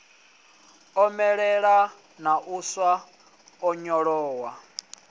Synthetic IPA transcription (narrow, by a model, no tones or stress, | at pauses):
ɔmɛɺɛɺa | naʔuswa | ɔɲɔɺɔːwa